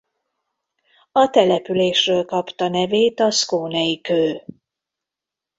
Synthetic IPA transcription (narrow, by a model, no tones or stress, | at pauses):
ɒt̪ɛlɛpyleːʃrøːlkɒpt̪ɒnɛveːt̪ɒskoːnɛjikøː